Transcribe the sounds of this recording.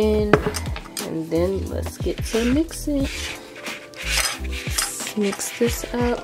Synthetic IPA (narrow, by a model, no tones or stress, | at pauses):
ɪ̃n | ɨ̰̃nðɨ̃nlə̰tsɡ̥ɛtsʌ̃mmɪksɪ̃ŋ | mɪksðɪsaʊt